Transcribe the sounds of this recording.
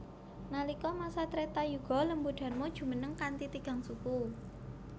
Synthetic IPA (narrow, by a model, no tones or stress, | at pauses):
nalikɔmasat̪ɾet̪ajuɡ̥ɔ̤ləmbuɖ̥a̤rmod̥ʒ̥ṳmənəŋkant̪it̪iɡ̥a̤ŋsuku